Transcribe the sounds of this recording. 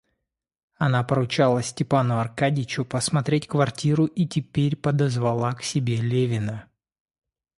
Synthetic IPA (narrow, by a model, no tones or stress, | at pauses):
ɐnapəɾʊt͡ɕalˠəsʲtʲɪpanʊɐrkadʲɪt͡ɕʊpəsmɐt̪ɾʲetʲkvɐrtʲiɾʊʔitʲɪpʲeɾʲpəd̪əzvɐlˠaksʲɪbʲe̞lʲevʲɪnə